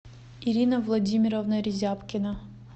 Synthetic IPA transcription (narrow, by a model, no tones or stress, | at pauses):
iɾʲinəvlˠɐdʲimʲɪɾəvnəɾʲɪzʲapkʲɪnə